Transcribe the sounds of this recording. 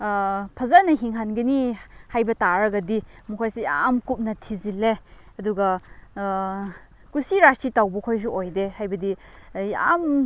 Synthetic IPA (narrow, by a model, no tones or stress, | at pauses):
pʰɐzanɐɦiŋɦanɡɐnihajbɐtaɾɐɡɐdimukʰojseja̰mkup̚nɐtʰizileɐduɡɐ | kusiɾastitawbɐkʰojs̬uʔojdehajbɐdija̰m